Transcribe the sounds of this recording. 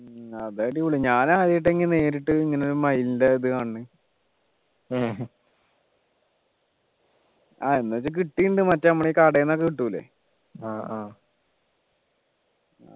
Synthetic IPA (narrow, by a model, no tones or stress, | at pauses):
ɐðaːjɽiʋuɭːuɲaːnaːðijiʈːeŋːine̞ːɾiʈːɨiŋːɐneoɾumɐjilindɐiðɨkaːɳːɨ | a̰ːenːuɐt͡ɕːɨk̬iʈːiːɳɖɨmɐtːɐɐmːɐɳeikaɽeːnːokːɐkiʈːuːlːḛ | aː